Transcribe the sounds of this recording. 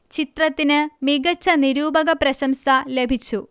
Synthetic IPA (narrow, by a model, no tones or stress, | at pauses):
t͡ɕit̪rɐt̪ːinɨmiɡɐt͡ɕːɐniɾuːbɐɣɐprɾɐɕɐmsɐle̞bʱit͡ɕːu